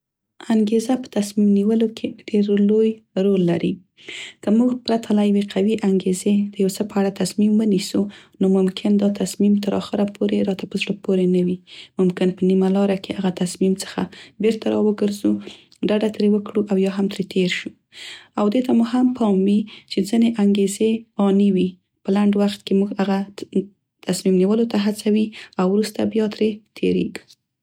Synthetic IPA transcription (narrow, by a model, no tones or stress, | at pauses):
aŋɡezapə̥t̪asmimniwəlokʰeɖeɾlojɾolːaɾi | kəmuɡpɾat̪ʰalajaweqʰawiʔaŋɡezed̪̥əjawt͡səpəaɽat̪asmimwənisunomʊmkʰɪnd̪ɑt̪asmimt̪əɾɑ̰xəɾapʰoɾeɾɑt̪apəzɽəpoɾenawimʊmkɪnpənimalɑɾakeaɣat̪asmimt͡sə̥xa̰beɾt̪aɾɑwəɡəɾzu | ɖaɖat̪ɾewəkɽuʔawjɑɦamt̪ɾet̪ʰeɾʃu | awd̪et̪amuɦampʰɑmwit͡ʃed͡zəneʔaŋɡezeɑniwi | pəlaɳɖwaxt̪̚kemuɡaɣa | t̪asmimniwəlot̪aɦat͡sawiawɾust̪abjɑt̪ɾet̪ʰḛɾḛɡ